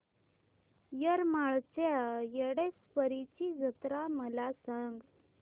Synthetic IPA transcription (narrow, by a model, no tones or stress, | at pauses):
jəɾmaɭt͡sejeɽesfəɾit͡ɕid͡zət̪ɾaməlasãŋɡ